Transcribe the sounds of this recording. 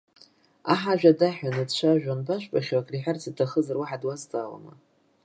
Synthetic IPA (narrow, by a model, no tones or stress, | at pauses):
aħaʒᶣadaħᶣanɨdʃʷaʒᶣanbaʃʷᶣpʼaχʲwakʼriħart͡sʰatʰaχəzarwaħadwazt͡sʼaːla̰ma̰